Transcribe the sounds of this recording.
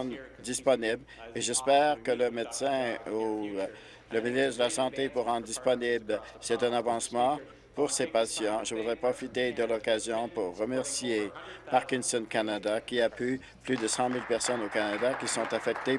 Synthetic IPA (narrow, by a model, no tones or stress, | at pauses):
d̪ispɔnibleʒɛspɛːʁkələmed̪sɛ̃u | ləminist̪d̪əlasɑ̃t̪epuʁɑ̃d̪ʁd̪ispɔnibl | sɛt̪ɛ̃navɑ̃smɑ̃ | puʁsepasjɑ̃ʒəvud̪ʁɛpχɔfit̪ed̪əlɔkazjɔ̃puʁːəmɛʁsijepaʁkʲinsɔnkanad̪akʲiapy | plyd̪əsɑ̃milpɛʁsɔnokanad̪akʲisɔ̃t̪afɛk̚t̪e